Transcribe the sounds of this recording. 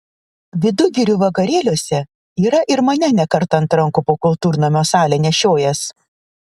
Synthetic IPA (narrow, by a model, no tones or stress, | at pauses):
ʋʲɪd̪ʊɡʲɪɾʲuːʋɐkɐɾʲeːlʲoːsʲɛ | iːɾɐʔɪɾmɐnʲɛnʲɛkɐɾt̪ɐɐnt̪ɾɐŋkʊpoːkʊlˠt̪uːɾʲnomʲoːsɑːlʲeːnʲɛʃʲoːjɛs